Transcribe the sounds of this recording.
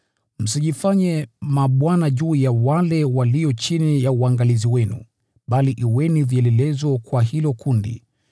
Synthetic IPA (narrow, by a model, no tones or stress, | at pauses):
m̩siʄifaɲɛmaɓwanaʄuːjawalɛwaliɔt͡ʃinijauaŋɡaliziwɛnṵ | ɓaliʔiwɛniviɛlɛlɛzɔkwaɦilɔkundḭ